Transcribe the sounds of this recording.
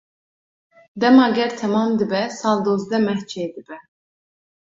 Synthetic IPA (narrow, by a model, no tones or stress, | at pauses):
d̪æmɑɡʲæɾt̪ʰæmɑmd̪ibæsɑlˠd̪ozd̪ɛmæht͡ʃʰɛed̪ibɛ